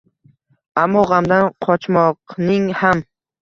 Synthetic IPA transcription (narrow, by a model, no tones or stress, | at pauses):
amːɒʁamd̪anqʰɒt͡ʃmɒqnɪŋham